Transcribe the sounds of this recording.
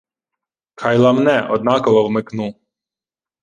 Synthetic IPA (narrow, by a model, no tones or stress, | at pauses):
kʰɑjlˠɐmnɛʔɔd̪̚nɑkɔʋɔwmɪknu